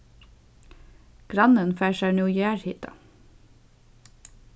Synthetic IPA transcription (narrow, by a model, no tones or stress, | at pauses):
ɡ̥ɾɑnənfæːʃæːnuːjæːɹhiːt̪ɑ̰